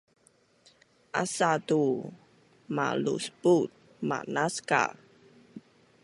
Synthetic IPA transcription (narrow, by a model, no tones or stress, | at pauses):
ʔasatu | ma̰lṵsput̚ | ma̰naska̰